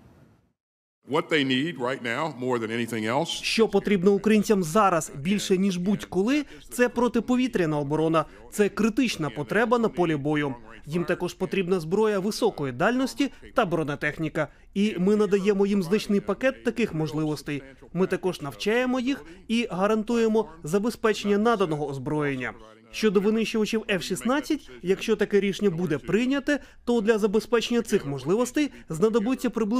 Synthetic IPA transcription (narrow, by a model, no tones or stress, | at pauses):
wʌt̪̚ðeɪnid̚ɹaɪtⁿnaʊmɔɹðɨ̃nɛniθɪ̃ŋɛlˠsʃt͡ʃɔpɔt̪ɾʲibnɔukɾɐjinʲt͡sʲɐmzɑɾɐz̥bʲilʲʃɛnʲiʒbutʲkɔlˠɪ | t̪sɛpɾɔt̪ɪpɔʋʲit̪ɾʲɐnɐɔbɔɾɔnɐ | t̪sɛkɾɪt̪ɪt͡ʃnɐpɔt̪ɾɛbɐnɐpɔlʲibɔjʊ | jimt̪ɐkɔʒpɔt̪ɾʲibnɐzbɾɔjɐʋɪsɔkɔjid̪ɑlʲnɔsʲtʲit̪ɐbɾɔnɐt̪ɛxnʲikɐ | imɪnɐd̪ɐjɛmɔjimznɐt͡ʃnɪjpɐkɛt̪ːɐkɪxmɔʒlˠɪʋɔst̪ɛj | mɪt̪ɐkɔʒnɐwt͡ʃɑjemɔjixiɦɐɾɐnt̪uje̞mɔzɐbe̞spɛt͡ʃenʲːɐnɑd̪ɐnɔɦɔːzbɾɔjenʲːɐ̰ | ʃt͡ʃɔd̪ɔʋɪnɪʃt͡ʃʊʋɐt͡ʃiwɛfʃʲisnɑt͡sʲːɐtʲjɐkʃt͡ʃɔt̪ɐkɛɾʲiʃnʲːɐbud̪ɛpɾɪjnʲɐt̪ɛt̪ɔd̪lʲɐzɐbe̞spɛt͡ʃenʲːɐt̪sɪxmɔʒlˠɪʋɔst̪ɛj | znɐd̪ɔbʊt͡sʲːɐpɾɪblˠ